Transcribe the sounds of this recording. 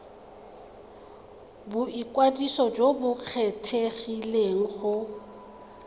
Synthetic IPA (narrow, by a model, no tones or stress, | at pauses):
bʊʔikʼwadisɔd͡ʒobʊk͡xʰɛtʰeɣileŋ̩χʊ